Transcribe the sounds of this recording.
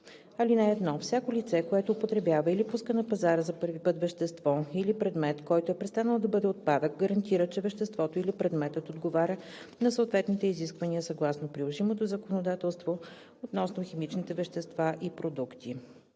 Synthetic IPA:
ɐlinɛɛd̪nɔfsʲakolit̪sɛkoɛt̪oːpot̪ɾɛbjavəilipuskənɐpɐzaɾəzɐpɤɾvipɤt̪vɛʃt̪ɛst̪vɔilipɾɛd̪mɛt̪kɔjt̪oɛpɾɛst̪anəlˠod̪ɐbɤd̪ɛot̪̚pad̪ək̚ɡəɾɐnt̪iɾət͡ʃɛvɛʃt̪ɛst̪vɔt̪oilipɾɛd̪mɛt̪ət̪od̪ɡovaɾʲə | nɐsəoːt̪vɛt̪nit̪ɛiziskvɐniəsɐɡlˠasnopɾilˠoʒimot̪ozɐkonod̪at̪ɛlˠst̪vo | ot̪nɔsnoximit͡ʃnit̪ɛvɛʃt̪ɛst̪vaʔipɾod̪ukt̪i

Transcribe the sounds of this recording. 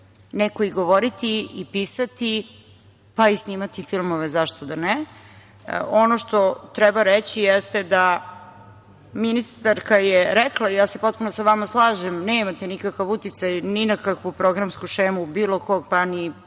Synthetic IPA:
neko̞iɡo̞ʋoɾit̪iipisat̪i | paisniːmat̪ifilˠmo̞ʋezaʃt̪od̪anɛ̰ | onoʃt̪o̞t̪ɾɛbaɾet͡ɕijest̪ed̪a | minist̪aɾkajeɾɛklˠaijaːsepo̞t̪̚punosaʋamaslˠaːʒemneːmat̪enikakaʋut̪it̪sajninakakʋupɾo̞ɡɾamskuʃeːmubiːlˠo̞koɡpani

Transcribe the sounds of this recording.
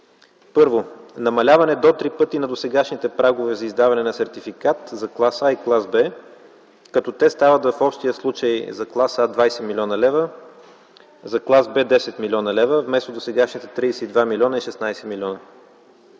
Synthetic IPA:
pɤɾvonɐmɐlʲavɐnɛd̪ot̪ɾipɤt̪inɐd̪osɛɡaʃnit̪ɛpɾaɡovɛzɐizd̪avɐnɛnɐsɛɾt̪ifikat̪zɐklˠasaiklˠazbɛ | kɐt̪ɔt̪ɛst̪avət̪vɐfɔpʃt̪ijəslˠut͡ʃəjzɐklˠasad̪vajsɛmilʲɔnɐlɛvə | zɐklˠazbɛd̪ɛsɛt̪milʲɔnɐlɛvəvmɛst̪od̪osɛɡaʃnit̪ɛt̪ɾiːsɛid̪vamilʲɔnəiʃɛsnajsɛmilʲɔnə

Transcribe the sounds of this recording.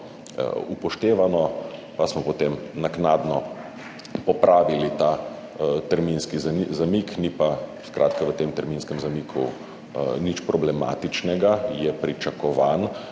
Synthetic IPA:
upɔʃt̪eːʋanɔpasmɔpɔt̪emnaknaːd̪nɔ | pɔpɾʔaːʋilit̪a | t̪əɾminskizazamiknipaskɾʔaːt̪̚kaʋət̪eːmt̪əɾminskɛmzamiːkʰṵ | nit͡ʃpɾɔblɛma̰ːt̪it͡ʃnɛɡajɛpɾit͡ʃakɔʋaːn

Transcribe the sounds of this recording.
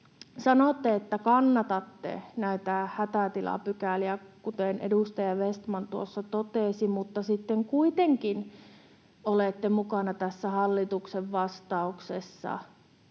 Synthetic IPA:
sɑnoˑt̪ːeet̪ːækɑnːɑt̪ɑt̪ːḛnæit̪æhæt̪æt̪ilɑ̰pykæliækut̪enḛdust̪ɑjɑʋest̪mɑnt̪uosːɑt̪ot̪eˑsimut̪ːɑsit̪ːeŋkuit̪eŋkin | oleˑt̪ːemukɑnɑt̪æsːæhɑlːit̪ukseʋʋɑst̪ɑuksesːɑ̰

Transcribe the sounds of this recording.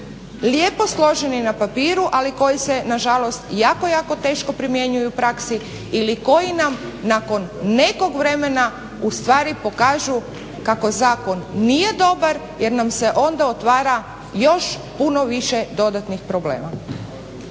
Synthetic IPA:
ljeːpo̞slˠo̞ʒe̞ninapapiːɾuʔaliko̞jise̞naʒalˠo̞st̪jaːko̞jaːko̞t̪e̞ːʃko̞pɾimje̞ɲujupɾaksi | iliko̞jinamnako̞nːe̞ko̞ɡʋɾe̞me̞na | ust̪ʋaːɾipo̞kaːʒu | kako̞zaːko̞nːije̞d̪o̞baɾ | je̞ɾnamse̞ʔo̞nd̪aot̪ʋaːɾa | jo̞ʃ | puno̞ʋiʃed̪o̞d̪at̪nixpɾo̞blḛːma

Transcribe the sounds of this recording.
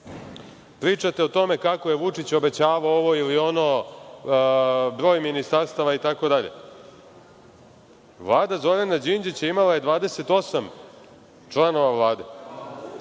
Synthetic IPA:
pɾiːt͡ʂat̪eot̪o̞me̞kako̞je̞ʋut͡ʂit͡ɕo̞be̞t͡ɕaːʋaooʋo̞ilio̞no̞ | bɾo̞ːjminist̪aɾst̪aʋait̪ako̞d̪aʎe̞̰ | ʋlˠaːd̪azo̞ɾanad͡ʑind͡ʑit͡ɕaimalaje̞d̪ʋaːd̪ese̞t̪o̞sam | t͡ʃlˠano̞ʋavlˠaːd̪e̞̰

